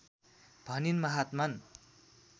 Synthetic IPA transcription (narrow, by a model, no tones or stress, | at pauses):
b̥ʱʌninmʌɦat̪man